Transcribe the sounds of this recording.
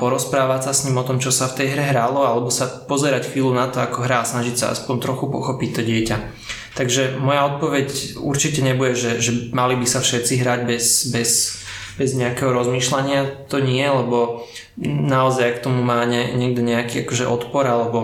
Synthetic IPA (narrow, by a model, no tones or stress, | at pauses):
pɔɾɔspɾaːʋasasɲimɔt̪ɔmt͡ʃɔsaft̪ɛjɦɾɛɦɾalɔalɛbɔsapɔzɛɾacxʋiːlunat̪ɔakɔɦɾaːsnaʒicsa̰a̰spɔnt̪ɾɔxupɔxɔpic̚t̪ɔɟɪɛca | t̪aɡʒɛmɔjaɔt̪̚pɔʋɛcṵɾt͡ʃicɛɲɛbuɟɛʒɛʒɛmalibisafʃɛt̪t͡siɦɾaːɟbɛzbɛzbɛzɲɛakɛɦɔɾɔzmiːʃlaɲɪat̪ɔɲɪɛlɛbɔ | naɔzajakt̪ɔmumaːɲɛɲɪɛɡ̚d̪ɛɲɛakiːakɔʒɛ̰ʔɔt̪pɔɾalɛbɔ